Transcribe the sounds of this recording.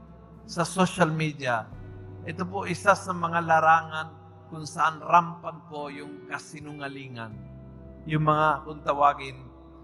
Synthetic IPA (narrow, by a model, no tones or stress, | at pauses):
sɐsoʃalmid̪iaʔɛt̪op̬ʊʔɪsasɐmɐŋalaɾaːŋan | kʊnsaʔanɾampaŋkojʊŋkɐsɪnʊŋaliːŋa̰n | jʊŋmɐŋakʊnt̪awaɡɪn